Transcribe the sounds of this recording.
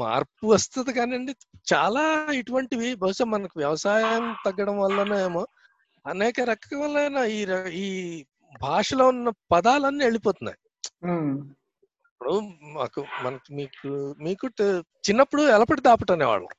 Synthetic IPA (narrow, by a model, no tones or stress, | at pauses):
ma̰ːɾpuʋɐst̪ɐd̪ikaːniɐɳɖit͡ʃaːlaːeʈuʋɐɳʈiʋibʱɐɦuʂaːmɐnɐkuʋjɐʋɐsaːjɐmt̪ɐɡːɐɽɐmʋɐlːɐnɐeːmoː | ɐnɛːkɐɾɐkɐɐɐlːɐɐnaːiːɾɐiː | bʱaːʂɐloːunːɐpɐd̪aːlɐnːieɭipoːt̪unːa̰j | ɐpːuɽuma̰ːkumɐnɐkimiːkumiːku | t͡ʃinːɐpːuɽuɛlɐpɐɽd̪aːpɐʈaːneːʋa̰ːɭːɐ̰